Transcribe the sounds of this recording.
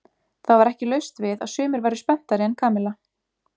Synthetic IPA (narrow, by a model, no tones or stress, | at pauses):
θawvaɾɛhcɪlœɥst̪vɪða̰ðsʏːmɪɾvaːjɾʏspɛn̥t̪aɾɪɛnkʰaːmɪla